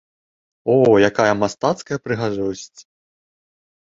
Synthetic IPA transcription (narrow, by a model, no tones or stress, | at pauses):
ɔjakajɐmast̪at̪skɐjɐpɾɨɣaʐɔsʲt͡sʲ